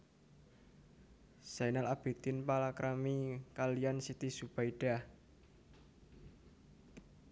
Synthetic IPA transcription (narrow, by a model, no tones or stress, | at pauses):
sajnalab̥e̤t̪ɪnpalakɾamikalijansit̪isub̥aiɖ̥a